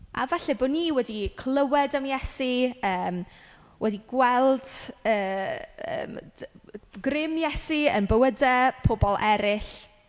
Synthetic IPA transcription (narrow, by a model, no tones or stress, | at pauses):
ʔa̰vaɬɛboːniːwɛdikʰlˠəwɛdəmjɛsiəːm | wʔɛdiɡwɛlˠd̥əːə̰ːm | ɡrɪmjɛsiə̰nbəwədapʰobɔlˠʔɛɾɪɬ